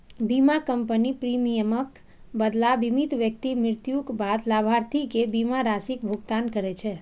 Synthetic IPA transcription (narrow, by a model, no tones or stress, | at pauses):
bimakəmpənipɾimijəmək | bəd̪labimit̪ʋjək̚t̪imɾɪɾt̪jukbad̪labʱaɾt̪ʰikebimaɾasikbʱuɡt̪ankəɾet͡ʃʰe